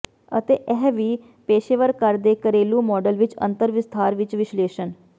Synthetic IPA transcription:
ə̰t̪eːʔɛɦʋiː | peːʃeːʋəɾkəɾd̪eːkəɾeːlũːmɔːɖəlʋɪt͡ʃə̰̃nt̪əɾʋɪst̪ʰaːɾʋɪt͡ʃʋɪʃleːʃən

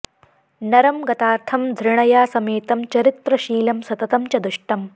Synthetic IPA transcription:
nɐɾɐmɡɐt̪aːɾt̪ʰɐmd̪ʱɾɪɳ̃ɐjaːsɐmeːt̪ɐmt͡ʃɐɾit̪ɾɐʃiːlɐmsɐt̪ɐt̪ɐmt͡ʃɐd̪uʂʈɐm

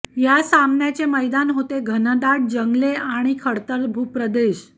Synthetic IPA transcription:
jasamnjat͡ɕeməjd̪anɦot̪eɡʱənəd̪aʈ̚d͡ʑəŋɡleaɽ̃ikʰəɽt̪əɾbʱupɾəd̪eɕ

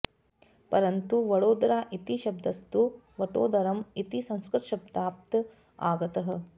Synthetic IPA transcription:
pɐɾɐnt̪uʋɐɽoːd̪ɾaːʔit̪iʃɐb̚d̪ʱɐst̪u | ʋɐʈo̰ːd̪ɐɾɐmit̪isɐ̃ŋ̃skɾɪt̪ɐʃɐb̚d̪aːp̚t̪ | aːɡɐt̪ɐɦɐ̆

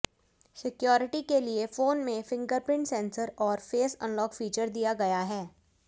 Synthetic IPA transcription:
sɪkjɔːɾɪʈikeliefoːnmẽfɪ̃ŋɡəɾpɾɪ̃ɳʈsɛ̃ːnsəɾɔːɾfeːsə̰̃nlɔːkfiːt͡ʃəɾd̪ijaɡɐjaɦɛː

